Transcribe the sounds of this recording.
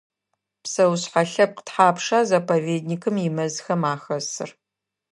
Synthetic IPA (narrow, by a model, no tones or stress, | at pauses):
psɐwɕħaɬɐp̚qə̥tħaːpʂaːzapʰɐveːdnikʰɨmjɪmɐzxɐmaːxɐsɨ̰r